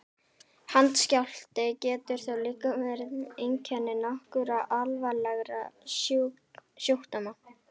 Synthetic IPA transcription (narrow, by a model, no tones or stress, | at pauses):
hant̪scawl̥t̪ɪcɛːt̪ʏɾ̥θaliːkavɛɾɪt̪ejɲcʰɛnːɪnɔhkʏɾaʔalvalɛɣɾa̰ | sjuwht̪ama